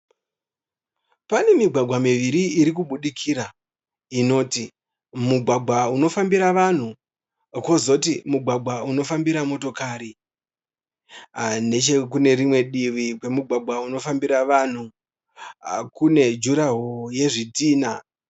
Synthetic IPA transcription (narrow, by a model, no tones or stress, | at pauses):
pane̞miɡʱwaɡʱwamiʋiɾiiɾik̬uɓuɗikʰiɾa | ino̞ːti | muɡʱwaɡʱwauno̞fambiɾaʋan̤u | kozo̞timuɡʱwaɡʱwauno̞fambiɾamo̞to̞kaːɾi | ne̞t͡ʃekune̞ɾimwe̞ɗiʋikwe̞muɡʱwaɡʱwauno̞fambiɾaʋan̤u | kune̞d͡ʒuɾaɦoje̞ʐitiːna